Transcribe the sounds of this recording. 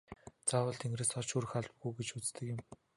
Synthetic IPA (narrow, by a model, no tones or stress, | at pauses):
t͡sawə̆ɮt̪ʰeŋɡrĕːsɔt͡ɕuɾɘ̆xaɮpɡujɡet͡ɕut͡st̪ɘ̆kɪ̆m